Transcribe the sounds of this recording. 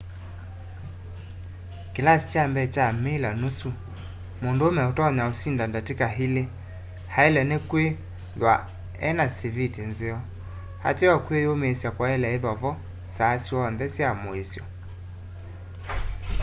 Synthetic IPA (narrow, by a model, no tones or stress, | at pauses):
kelasi̥t͡ʃambɛt͡ʃamelanusu | mondoomɛotɔɲaosindandatekaɦile | haelɛnekwe | ðwa̰ | ɛ̰nasivitenzeɔ | ha̰teɔkwejomeːsjakwaɛlɛeðɔvɔ | sasiɔːnðɛsjamoesjɔ